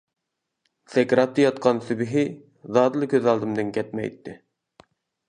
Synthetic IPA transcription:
sɛkʲɾɑt̪ːɨjɑt̪̚qʰɑnsybɪɦɪ | zɑːd̪ɨlˠɨkʲʰøzɑlˠd̪ɨmd̪ɨŋkʲʰɛt̪̚mɛ̰jt̪ʰːɪ

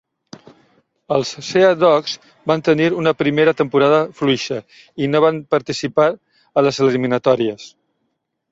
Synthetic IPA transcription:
əlˠsːeəðɔkz | bant̪əniɾunəpɾimeɾət̪əmpuɾaðəfluiʃə | inoβanpəɾt̪isipa | ələzəliminət̪ɔɾiəs

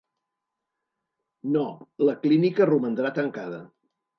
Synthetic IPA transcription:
noləklinikərumənd̪ɾat̪əŋkaðə

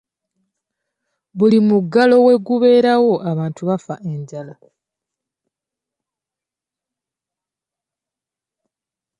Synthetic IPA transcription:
βulimuɡːalo̞we̞ɡuβe̞ːɾawo̞ʔaβaːntʰuβafaʔe̞ɲɟala

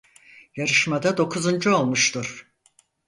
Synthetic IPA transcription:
jaɾɯʃmad̪ad̪o̞kʰuzund͡ʒuo̞lˠmuʃt̪ʰuɾ̥

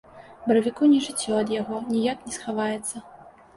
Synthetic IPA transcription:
bɐɾɐvʲikunʲɛʐɨt͡sʲːɔɐd̪jaɣɔnʲijaknʲɛsxavajɛt̪sːɐ

